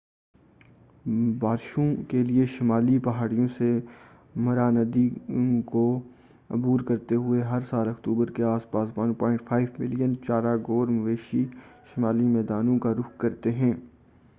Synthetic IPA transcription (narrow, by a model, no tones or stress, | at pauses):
baːɾʃõkelieʃɪmaːlipɐɦaːɽijõse | mɐɾaːnəd̪iko | ɐ̰buːɾkɐɾt̪eɦʊeɦɐɾsaːlɐkt̪uːbəɾkeaːspaːspãːnpɔːɪ̃ɳʈfʰaːɪʋmɪlijənt͡ʃaːɾaɡoːɾmɐʋeːʃiʃɪmaːlimɛːd̪aːnõkaɾʊkkɐɾt̪eɦɛ̃ː